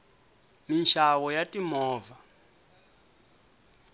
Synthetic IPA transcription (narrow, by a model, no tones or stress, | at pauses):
minʃʰawɔjatimɔːva